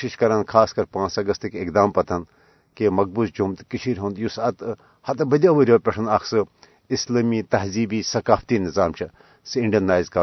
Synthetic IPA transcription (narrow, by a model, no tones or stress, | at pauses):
ʃiʃkɐɾankʰaːskɐɾpãːnt͡sɐɡɐst̪ikekd̪aːmpɐt̪ʰɐn | kemɐk̚busd͡ʒumt̪kit͡ʃʰiɾʲɦõːnd̪jusɐt̪ | hɐt̪bɐd̪ʲaʋɐɾʲoːpʲeʈʰɐnɐksɨ | islɐːmiːt̪ɐɦziːbiːsɐkaːft̪iːnizaːmt͡ʃʰi | sɨiɳɖɐnaːjizkɐ